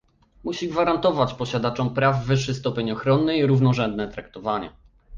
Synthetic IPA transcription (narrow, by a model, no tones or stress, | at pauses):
muɕiɡvaɾant̪ɔvat͡ɕpɔɕad̪at͡ʂɔmpɾavːɘʂːɘst̪ɔpʲeɲɔxɾɔnːɘiɾuvnɔʐɛnd̪nɛt̪ɾak̚t̪ɔvaɲɛ̰